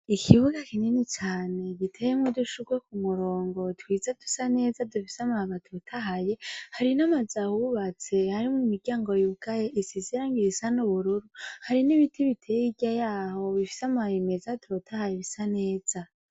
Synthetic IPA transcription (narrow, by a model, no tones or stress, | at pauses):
ikʰiβuɡakininit͡ʃaːne̞ɡitʰe̞jemŋoduʃuɡwekumuɾo̞ːŋɡo̞twiːzedu̥sane̞ːzadufi̥samahamatotʰaɦaje̞haɾinamazahuβat͡se̞haɾimumiɾɟaːŋɡo̞juɡajeʔisiziɾaŋɡiisanuβuɾuɾuhaɾiniβitʰiβitʰejiɟajaːho̞βifi̥samahimezatɾotʰahajeβisane̞ːz̥a